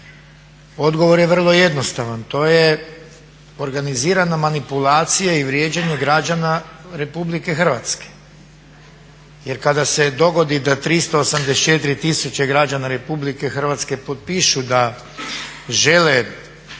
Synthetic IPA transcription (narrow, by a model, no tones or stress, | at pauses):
o̞d̪ɡo̞ʋo̞ɾjeʋr̩lˠo̞je̞d̪no̞st̪aʋant̪o̞ːje̞ | o̞ɾɡaniziːɾanamanipulaːt̪sijaiʋɾje̞ːd͡ʑaɲeɡɾad͡ʑanaɾe̞publike̞xr̩ʋat̪ske̥ | jeɾkad̪ase̞d̪o̞ɡo̞d̪id̪at̪ɾist̪o̞ːsamd̪est͡ʃe̞t̪iɾit̪isut͡ɕaɡɾad͡ʒanaɾe̞publike̞xr̩ʋat̪ske̞po̞t̪̚piʃud̪a | ʒe̞le